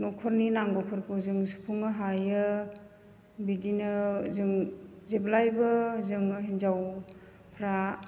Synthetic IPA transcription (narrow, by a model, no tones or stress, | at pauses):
nɔkʰɔɾninaŋɡɔpʰɯɾkʰɯzɯŋsu̥pʰuŋɯɦajɯ | bidinɯzɯŋzeblajbɯzɯŋɦinzaw | pʰɾa